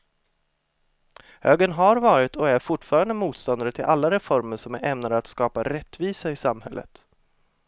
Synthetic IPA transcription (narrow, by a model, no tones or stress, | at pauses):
høːɡənɦaɾvɑːɾɪt̪ʰɔæɾfʊʈːfɑːɾand̪əmuːt̪st̪ɔnd̪aɾət̪ʰɪlʔalːaɾɛfɔɾməʂɔmʔɛmnad̪əat̪skɑːpaɾɛt̪ːviːsaɪsamhɛ̰lːʔə̰t̪